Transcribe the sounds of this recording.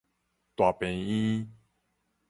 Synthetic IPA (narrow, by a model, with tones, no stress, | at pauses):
t̪wa˨pɛ̃˨ni˦